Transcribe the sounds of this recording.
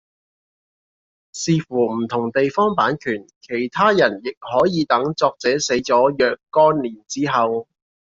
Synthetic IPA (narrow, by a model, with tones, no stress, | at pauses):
siː˧fuː˨˩m̩˨˩t̪ʰʊ˨˩ŋt̪e˨jfɔː˥ŋpaː˨˥nkʰyː˨˩nkʰe˨˩jt̪ʰaː˥jɐ˨˩njɪ˨k̚hɔː˨˥jiː˨˧t̪ɐ˨˥ŋt͡sɔː˧k̚t͡sɛː˨˥se˨˥jt͡sɔː˨˥jœː˨kːɔː˥nliː˨˩nt͡siː˥ɦɐ˨w